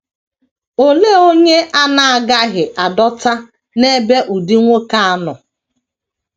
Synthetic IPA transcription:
o˦le˦o˦ɲe˦ʔa˦na˨a˨ɡa˦ɦɪ˨ʔa˨dɔ˦ta˦ | ne˦be˦ʔu˨di˦ŋʷo˦ka˦a˦nʊ˨

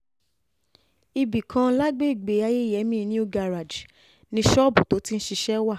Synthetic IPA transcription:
i˧bi˨kʰã˧˦la˦ɡ͡be˦i˦˨ɡ͡be˨˦a˧je˦i˨jɛ˨˦mĩ˦˨˧nĩ˦o˦ɡa˧ɾa˨d͡ʒ | nĩ˧˦ʃɔ˦˨bu˨to˨˦ti˦n̩˦ʃi˧ʃɛ˦wa˦˨

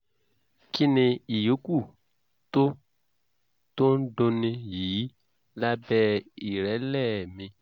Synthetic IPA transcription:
ki˦nĩ˧i˨jo˨˦ku˦˨ | to˦ | to˦n̩˦dõ˧nĩ˧jiː˨˦ | la˦bɛ˦i˨ɾɛ˨˦lɛ˦˨mĩ˧

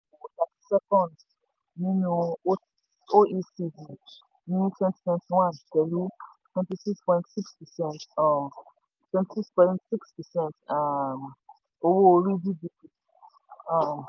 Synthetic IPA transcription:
wo˨ta˨tsɛ˦kɔ̃˨nd | nĩ˦nũ˦o˦ | o˦ʔi˦si˦di˨ | nĩ˦nĩ˦tʰwɛ̃˦nti̥˦tʰwɛ̃˧nti˨wã˦˨nkɛ˨ɾi˦ | twɛ̃˦nti˦si˦kspɔ̃˨ĩntsi˦kspɛ˨sɛ̃˦ntɔ̃˨m | twɛ̃˦ntisi˦kspɔ̃˨ĩntsi˦kspɛ˨sɛ̃˦ntam | o˧wo˦o˧ɾi˦di˦di˨ki˨ | ɔ̃˨m

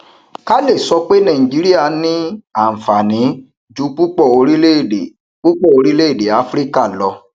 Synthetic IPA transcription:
ka˦le˦˨sɔ˧k͡pe˦nã˨ĩ˨d͡ʒi˨˦ɾi˦a˦˨nĩ˦a˨fa˨nĩ˨˦ | d͡ʒu˨˦k͡pu˦k͡pɔ˦˨o˧ɾi˦le˦˨e˨ | k͡pu˦k͡pɔ˦˨o˧ɾi˦le˦˨de˨a˨˦fɾi˦ka˦˨lɔ˧

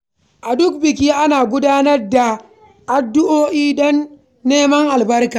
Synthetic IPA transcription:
ʔa˨dʊ˦k̚bɪ˨k̬ʲiː˦ʔa˦naː˨ɡʷʊ˦daː˦nɐ˦rda˨ | ʔa˨dːʊ˦ʔoː˦ʔiː˦ɗɔ˦nː | eː˦mɐ˦ŋʔa˨lbɐ˦rkaː˨

